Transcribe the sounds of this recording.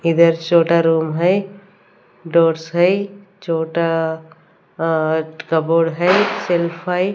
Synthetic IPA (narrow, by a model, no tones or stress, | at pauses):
id̪əɾt͡ʃoːʈaɾumɦəj | ɖoːɾsɦəjt͡ʃoːʈa | kəboɽɦəjselpʰəj